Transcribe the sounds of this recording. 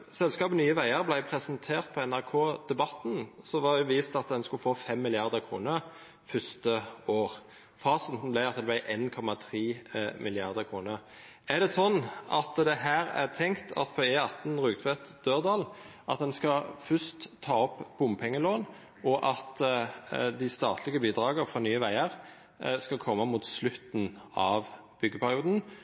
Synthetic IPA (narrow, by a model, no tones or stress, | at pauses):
sɛlskɑːbənyːəʋæɪəʁblæɪpʰʁɛsənt̪ʰeːʁt̪̚pʰɔɛnæʁkʰoːd̪̥ɛbɑt̪n̩sɔʋɑdʊʋiːst̪ɑt̪̚d̪ɛnskʉlfoːfɛmːɪlɪɑʁd̪əɾkʰʁṵːnə | fʏst̪əoːʁ | fɑːsən̩t̪n̩blæɪɑt̪̚d̪ɛblæɪʔeːnkʰɔmɑt̪ʰʁiːmɪlɪɑʁd̪əkʰʁuːnə | æʁd̪ɛsɔnːɑt̪d̪ɛɦæːɾæ̰ʁt̪ʰɛŋkt̪ʰɑ̰t̪pʰɔeɑt̪n̩ʁʉːɡt̪ʰʋɛt̪d̪̥øːʁd̪ɑːl | ʔɑt̪̚d̪ɛnskɑfœst̪ʰːɑːɔpb̥ʊmpʰɛŋːəloːn | ʔɔʔɑt̪ | d̪ɪst̪ɑːt̪ʰlɪɡəbiːd̪ɾɑːɡəɾfʁɔnyːəʋæɪəʁ | skɑlkʰɔmːəmuːt̪slʉt̪n̩ɑʋ | b̥ʏɡːəpʰæɾɪuːd̪n̩